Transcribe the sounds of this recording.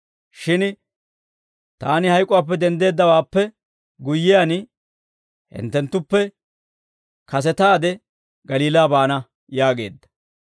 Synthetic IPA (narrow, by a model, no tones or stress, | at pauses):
ʃɪn | t̪aːnɪhɐjkʼʊwaːp̬ːɛd̪ɛnd̪e̞ːd̪ːɐwaːpːɛ | ɡʊjːɪjan | hɪ̰nt̪ːɛnt̪ːʊpːɛ | kɐs̬ɛt̪aːd̪ɛ | ɡɐliːlaːbaːnɐ | jaːɡe̞ːd̪ːɐ̥